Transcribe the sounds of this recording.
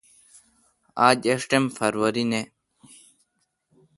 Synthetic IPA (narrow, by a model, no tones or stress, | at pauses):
aːd͡ʑeʂʈemfɐɾwɐɾine